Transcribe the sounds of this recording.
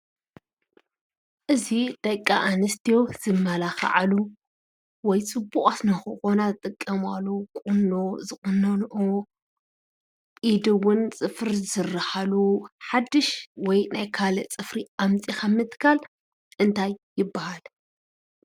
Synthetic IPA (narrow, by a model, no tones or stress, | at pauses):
ʔɨzid̪̥ɐkʼːaʔanɐst̪ʰijo̞z̥ɨmːɐlaxa̰ʕalu | wɔjt͡sʼɨbːuχʼasnɐxɨxo̞naɨt̪ʼɨkʼːɐmalːokʼʊnːozɨχʼʊnːɐnʔo | id̪ɨwʊnt͡sʼɨfɨɾzɨrɐħaluħad̪ːɨʃwɔjnajkʰalɐt͡sʼɨfɾiʔamt͡sʼixamɨt̪ʼkʰal | ʔɨnt̪ʰajːɪbːahal